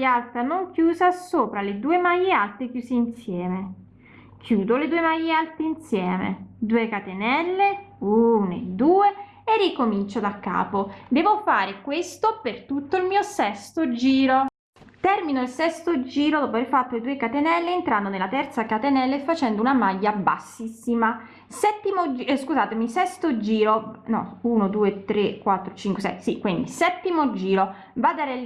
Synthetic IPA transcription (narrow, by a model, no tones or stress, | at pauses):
jalt̪anoŋkjuːzasoːpɾaled̪uːemajːealt̪ekjuːseinsjɛːme | k̟ʰjuːd̪oled̪uːemajealt̪einsjɛːmḛd̪uːekat̪enɛlːeunḛd̪uːeː | rːikomint͡ʃod̪akːa̰ːpod̪ɛːvofaːɾekwest̪opert̪ut̪ːoilmiːosɛst̪od͡ʒiːɾo | t̪ɛrminoilsɛst̪od͡ʒiːɾod̪ɔpoaveɾrfat̪ːoled̪uːekat̪enɛlːeːnt̪ɾand̪onelːat̪ɛrt̪sakat̪enɛlːeefːat͡ʃɛnd̪ounamajːaba̰sːisːima | sɛt̪ːimod͡ʒskuzaːt̪emisɛst̪od͡ʒiːɾonɔ̰uːnod̪uːet̪ɾekwat̪ːɾot͡ʃiŋkwesɛ̰sikwind̪isɛt̪ːimod͡ʒiːɾo | vad̪aɾɛ